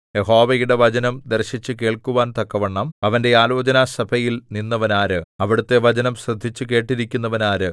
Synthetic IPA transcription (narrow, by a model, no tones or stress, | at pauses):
je̞ɦo̞ːʋɐjuɽe̞ʋɐd͡ʑɐnɐmd̪erɕit͡ɕːɨke̞ːɭkuʋaːnt̪ɐkːɐʋɐɳːɐmɐʋɐnde̞aːlo̞ːd͡ʑɐnasɐbʱɐjilninːɐʋɐnaːɾɨɐʋiɽut̪ːe̞ʋɐd͡ʑɐnɐmɕrɨd̪ʱːit͡ɕːɨke̞ːʈːiɾikʲːunːɐʋɐnaːɾɨ